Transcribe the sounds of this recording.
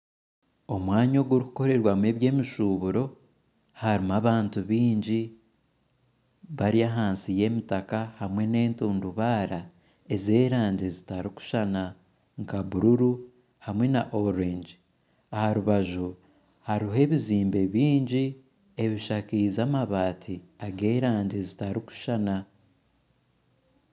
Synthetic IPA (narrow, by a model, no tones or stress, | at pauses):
o̞mwaːɲo̞ɡuɾiku̥ko̞ɾe̞ɾwame̞βje̞ːmiʃuβuɾo̞ | haɾimaβaːntuβiːɲɟi | βaɾiaɦaːnsije̞ːmitakahamwe̞ne̞ːntuːnduβaːɾa | e̞ze̞ːɾaːɲɟe̞zitaɾiku̥ʃana | ŋkaβuɾuɾu | hamwe̞naʔoɾeɲd͡ʒ | ahaɾuβaʒu | haɾiɦe̞ːβiziːmbe̞βiːɲɟi | e̞βiʃakizamaβaːtʰiaɡe̞ːɾaːɲɟezitaɾiku̥ʃana